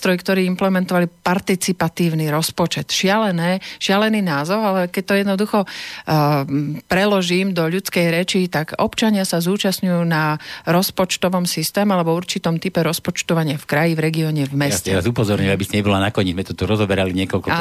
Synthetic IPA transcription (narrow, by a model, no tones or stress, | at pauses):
t̪ɾɔjkt̪ɔɾiːimplɛmɛnt̪ɔʋalipaɾt̪it͡sipat̪iːʊniɾɔspɔt͡ʃɛt̪ʃɪalɛnɛːʃɪalɛniːnaːzɔʊalɛkɛc̚t̪ɔjɛd̪nɔd̪uxɔ | pɾɛlɔʒiːmd̪ɔʎut͡skɛjɾɛt͡ʃit̪aɡɔpt͡ʃaɲɪasazuːt͡ʃasɲujuːnaɾɔspɔt͡ʃt̪ɔʋɔmsist̪ɛːmalɛbɔuɾt͡ʃit̪ɔmt̪ipɛɾɔspɔt͡ʃt̪ɔʋaɲɪafkɾajivɾɛɡiɔɲɛvmɛsɛɾazupɔzɔɾɲuabisiɲɛbɔlanakɔɲizmɛt̪ɔt̪uɾɔzɔbɛɾaliɲɪɛkɔlkɔ